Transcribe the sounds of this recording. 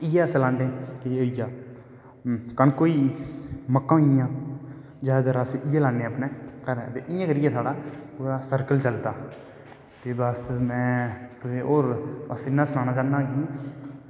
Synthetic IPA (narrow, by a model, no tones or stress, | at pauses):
ɪjɛːəsəlãːnd̪ẽːkeoːɪjaː | kənkoːiːməkːãːɦɪjãː | d͡ʒaːd̪aɾasɪjɛːlaːnːeːəpnẽːkəɾɛ̃ːt̪ḛːʔɪjãːkəɾɪjãːt̪ʰaːɽaːpuːɾaːsəɾkəlt͡ʃəlt̪aː | t̪eːbəsmɛ̃ːt̪eːoːɾəsɪnːãːsʊnãːnãːd͡ʒãːnːaːɡiãː